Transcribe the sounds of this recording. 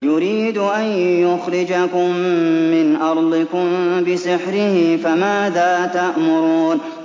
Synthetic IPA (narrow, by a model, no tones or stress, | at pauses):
jʊɾiːd̪ʊʔanjʊxɾɪd͡ʒakʊmːɪnʔɑɾˤd̪ˤɪkʊmbɪsɪħɾɪhɪfamaːðaːt̪aʔmʊɾuːn